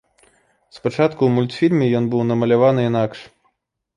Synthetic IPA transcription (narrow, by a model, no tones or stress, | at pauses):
spat͡ʂat̪kumulʲt̪fʲilʲmʲɛjɔnbɨwnɐmɐlʲavanɨinakʂ